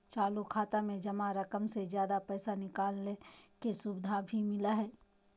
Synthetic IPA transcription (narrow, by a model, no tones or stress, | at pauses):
t͡ʃaːlukʰaːt̪amẽd͡ʒɐmaɾɐkəmsezjaːd̪apɛːsanɪkaːlːekesʊbɪd̪ʱabʱimɪlaɦɛː